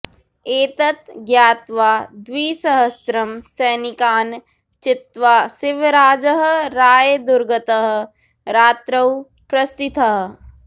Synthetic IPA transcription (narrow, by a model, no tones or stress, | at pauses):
eːt̪ət̪ɡjaːt̪ʋaːd̪ʋiːsɐɦəst̪ɾɐmsɛːnɪkaːn | t͡ʃɪt̪ʋaːsɪʋɾaːd͡ʒəɦɾaːjed̪ʊɾɡət̪əɦ | ɾaːt̪ɾəw | pɾɐst̪ɪt̪ɐɦ